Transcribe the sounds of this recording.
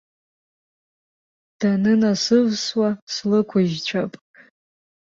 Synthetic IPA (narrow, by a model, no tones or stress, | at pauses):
d̥anɨnasɨvswaslɨkʷʰaiʒt͡ʃʷʰapʼ